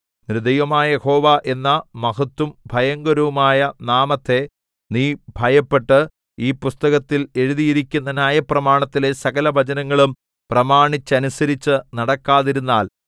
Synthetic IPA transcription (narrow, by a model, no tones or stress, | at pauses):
nɾɨd̪ɐjʋɐmaːjɐjeho̞ːʋaːʔe̞nːɐmɐɦɐt̪ːumbʱɐjɐŋɡɐɾɐʋumaːjɐnaːmɐt̪ʰːe̞ | niːbʱɐjɐpːe̞ʈːɨ | iːpust̪ɐɣɐt̪ːile̞ɻuðijiɾikʲːunːɐnaːjɐprɐmaːɳɐt̪ːile̞sɐɣɐlɐbʱɐd͡ʑɐnɐŋːɐɭum | prɐmaːɳit͡ɕːɐnusɐɾit͡ɕːɨnɐɽɐkːaːðiɾunːaːl